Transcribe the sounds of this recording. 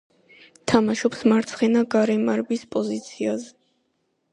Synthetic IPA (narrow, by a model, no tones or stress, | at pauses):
t̪ʰamaʃɔpsmaɾt̪sʰχɛnaɡaɾɛmaɾbispʼɔzit̪sʰiazɛ